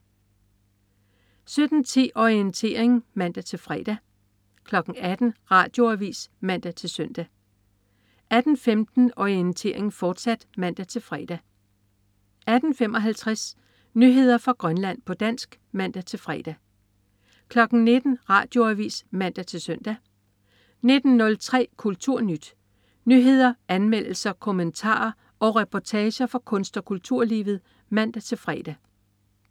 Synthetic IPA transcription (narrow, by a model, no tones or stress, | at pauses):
sød̥n̩t͡sʰḭːʔɒient͡sʰe̝̰ːɐ̰eŋmæn̰d̥æt͡sʰe̝lfʁɛ̰ːd̥æ | kʰlɒ̽ɡ̥n̩æd̥n̩ʁɑ̰̈ːd̥jo̝æʋḭːsmæn̰d̥æt͡sʰe̝lsœn̰d̥æ | æd̥n̩femd̥n̩ɒient͡sʰe̝̰ɐ̰eŋfɒːd̥sæd̥mæn̰d̥æt͡sʰe̝lfʁɛːd̥æ | ʔæd̥n̩fem̰ɒ̽ɦælt͡sʰʁɛs | nyɦe̝ð̞ˠɐfʁɑ̈ɡ̥ʁɶnlæn̰pʰɒ̽d̥æn̰sɡ̥ | mæn̰d̥æt͡sʰe̝lfʁɛːd̥æ | kʰlɒ̽ɡ̥n̩ne̝d̥n̩ʁɑ̈ːd̥jo̝æʋḭːsmæn̰d̥æt͡sʰe̝lsœn̰d̥æ | ne̝d̥n̩nɔ̽lt͡sʰʁɛ̰ːkʰult͡sʰuɐ̰nyd̥ | nyɦe̝ð̞̰ˠɐænmel̰l̩sɐkʰomənt͡sʰɑ̰̈ːɐ | ɒ̽ʁɛpʰɒt͡sʰɛːɕɐfɒkʰɔ̽nsd̥ɒ̽kʰult͡sʰuɐ̰liːʋð̞̩ˠ | mæn̰d̥æt͡sʰe̝lfʁɛːd̥æ